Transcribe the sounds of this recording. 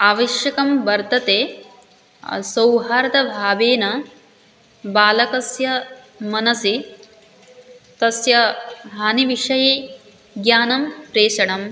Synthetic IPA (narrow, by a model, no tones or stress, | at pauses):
aːʋɐʃjɐkɐmbɐɾt̪ɐt̪eː | sɐwɦaːɾɐt̪ɐbʱaːbeːnɐ | baːlɐkɐsjɐ | mɐnɐsi | t̪ɐsjɐbʱaːniʋiʂɐje | ɡjaːnɐmpɾeːʃɐɽɐm